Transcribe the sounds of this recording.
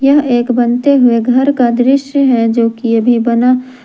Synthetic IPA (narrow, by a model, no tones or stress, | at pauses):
jɐɦeːkbɐnt̪eɦʊeɡʱɐɾkad̪ɾɪʃjəɦɛd͡ʒoːkijɐbʱibɐna